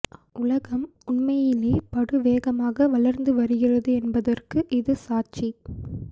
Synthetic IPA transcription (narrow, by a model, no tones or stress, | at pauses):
ʔʊlɐɣɐmʊɳmɐjɪleːpɐɽɯʋeːɣɐmaːɣɐʋɐɭɐɾnd̪ɯʋɐɾɯɣɪrɐðɯɛnbɐðɐrkɯʔɪðɯsaːt͡ʃi